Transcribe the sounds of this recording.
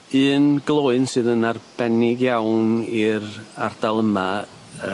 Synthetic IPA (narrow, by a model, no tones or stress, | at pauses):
ɨːnɡ̥lˠoːɨnsɨːðənarb̥ɛnɪɡjawniɾard̥alˠəma | ə